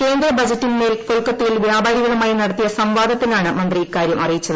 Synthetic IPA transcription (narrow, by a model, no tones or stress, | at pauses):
ke̞ːnd̪rɐbɐd͡ʑɐtːinmeːlkoɭkːɐt̪ːijilʋjaːbaːɾiɣɐɭumaːjinɐɽɐt̪ːijɐsɐmʋaːd̪ʱɐt̪ːinaːɳɨmɐnd̪riikːaːɾjɐmʔɐrijit͡ɕːɐðɐ